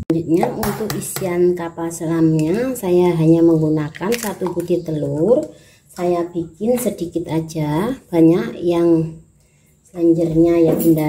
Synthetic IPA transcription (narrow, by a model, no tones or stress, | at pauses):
aɲd͡ʒut̪̚ɲaunt̪ʊkisiankapasəlamɲasajaɦaɲaməŋɡunakansat̪ukut̪it̪əlʊr | sajab̥ikɪnsədikɪt̪ad͡ʒab̥aɲakjaŋ | slaɲd͡ʒərɲajainda